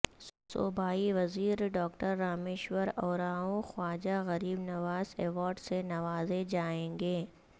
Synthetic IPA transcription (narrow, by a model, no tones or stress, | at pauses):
so̰ːbʱaːiʋɐziːɾɖɔːkʈəɾːaːmeːʃwəɾɔːɾaːõxwaːd͡ʒaɣɐɾiːbnɐʋaːzɛːʋɔːɾɖsenɐʋaːzed͡ʒaːẽːŋɡeː